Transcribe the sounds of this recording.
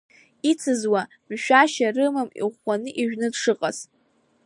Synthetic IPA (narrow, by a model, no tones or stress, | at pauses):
it͡sʰɨzwa | mʃᶣaʃarɨmamḭʁʷanɨʔiʒᶣnɨdʂɨqʼaz